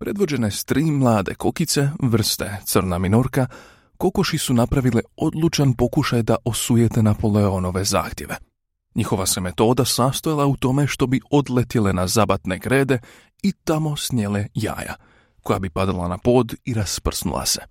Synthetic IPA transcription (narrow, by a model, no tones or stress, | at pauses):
pɾʔe̞d̪ʋo̞d͡ʑe̞nest̪ɾiːmlˠaːd̪e̞ko̞kit̪se̞ʋr̩st̪e̞t̪sɨr̩naminoɾka | ko̞ko̞ʃisunapɾaʋileo̞d̪lˠut͡ʃanpo̞kuʃajd̪aʔo̞sujet̪e̞napo̞leo̞no̞ʋe̞za̰ːxt̪je̞ʋe̞ | ɲixo̞ʋase̞me̞t̪o̞ːd̪asast̪ojalˠaut̪o̞me̞ʃt̪o̞bio̞d̪let̪ile̞nazabat̪ne̞ɡɾe̞ːd̪e̞ | it̪amo̞snjeleja̰ːja̰ | ko̞jabipad̪alˠa̰napo̞ːd̪iɾaspr̩snṵlˠa̰se̞̥